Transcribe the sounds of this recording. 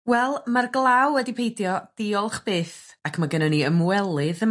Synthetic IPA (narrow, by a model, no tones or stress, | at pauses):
wɛlˠmarɡlˠawədipʰejdjɔd̥ɪɔlˠχb̥eːθakʰmaɡənəniəmwɛlˠɨðə